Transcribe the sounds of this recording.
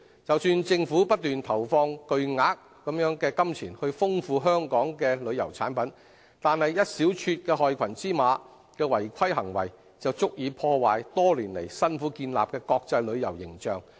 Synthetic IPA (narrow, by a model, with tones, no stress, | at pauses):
t͡sɐ˨wsyː˧nt͡sɪ˧ŋfuː˨˥pɐ˥t̚t̪ːyː˨nt̪ʰɐ˨˩wfɔː˧ŋkɵ˧ɥŋaː˨˥k̚ːɐ˨˥mjœː˨˥ŋkɛː˧kɐ˥mt͡sʰiː˨˩nhɵ˧ɥfʊ˥ŋfuː˧ɦœː˥ŋkɔː˨˥ŋkɛː˧lɵ˨˧ɥjɐ̰˨˩wt͡sʰa̰ː˨˥npɐ˨˥n | t̪aː˨nhɐ˨jːɐ˥t̚siː˨˥wt͡ʃʰyː˧t̚kɛː˧ɦɔː˨˧jkʷʰɐ˨˩nt͡siː˥maː˨˧ | kɛː˧wɐ˨˩jkʷʰɐ˥jɦɐ˨˩ŋwɐ̰˨˩j | t͡sɐ˨wt͡sʊ˥k̚jiː˨˧pʰɔː˧waː˨jt̪ɔː˥liː˨˩nlḛ˨˩jsɐ˥nfuː˨˥kiː˧nla̰ː˨p̚kɛː˧kɔː˧k̚t͡sɐ˧jlɵ˨˧ɥjɐ˨˩wjɪ̰˨˩ŋt͡ʃœː˨ŋ